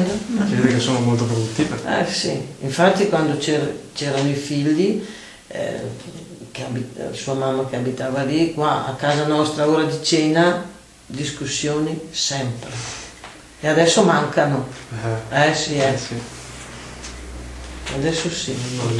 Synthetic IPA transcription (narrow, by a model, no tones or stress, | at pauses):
d̪ked̪ekesːoːnomolt̪opɾod̪ut̪ːiːveɛ̰siiɱfat̪ːikwand̪ot͡ʃet͡ʃɛːɾanoifiʎːḭ | keabisuːamamːakeabit̪aːvalikwaa̰kːaːzanɔst̪ɾaoːɾad̪it͡ʃena | d̪iskusːjoːnisɛmpɾe | ead̪ɛsːomaŋkano | ɛsiɛ | ḛad̪ɛsːosi